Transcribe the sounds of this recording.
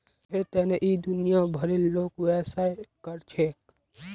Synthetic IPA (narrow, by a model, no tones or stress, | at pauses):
pʰeɾt̪ɛːneʔid̪ʊnijabʱəɾeloːkwɛːsaekəɾt͡ʃʰeːk